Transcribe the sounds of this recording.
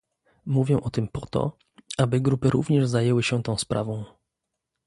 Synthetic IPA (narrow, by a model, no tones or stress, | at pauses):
muvʲjɛʔɔt̪ɘmpɔt̪ɔ̰ | abɘɡɾupɘɾʔṵvɲɛʐzajɛwɘɕɛt̪ɔ̃w̃spɾʔavɔ̃w̃